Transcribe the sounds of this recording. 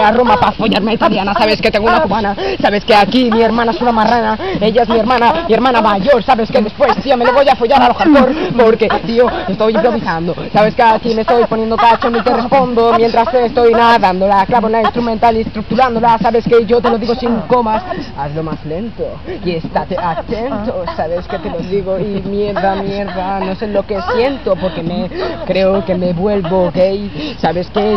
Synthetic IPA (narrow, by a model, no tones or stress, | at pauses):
aro̞mapafo̞ʝaɾmeait̪aljanasaβ̞e̞skee̞ŋɡounakuβanasaβe̞ske̞akimie̞ɾmãnaesunamaranae̞ʝae̞zmieɾmãnamie̞ɾmãnamaʝo̞ɾsaβe̞ske̞ðe̞spwest̪iame̞loβo̞jafo̞ʝaɾaloxat̪o̞ɾpo̞ɾke̞t̪io̞est̪o̞jimpɾo̞βisand̪o̞saβe̞skeakime̞st̪ojpo̞nje̞nd̪o̞kat͡ʃonit̪e̞re̞spo̞nd̪o̞mje̞nt̪ɾast̪eːst̪o̞jnaðand̪o̞laklaβonainst̪ɾument̪alinst̪ɾuk̚t̪uɾand̪o̞lasaβe̞ske̞ʝo̞t̪e̞lo̞ðiɣo̞siŋko̞masaslo̞mazle̞nt̪o̞ie̞st̪at̪eʔakt̪e̞nt̪osaβe̞ske̞t̪e̞loðiɣ̞oimje̞ɾðamje̞ɾðano̞se̞lo̞ke̞sje̞nt̪o̞po̞ɾke̞me̞kɾe̞oke̞me̞βwe̞lβoɣe̞jsaβe̞ske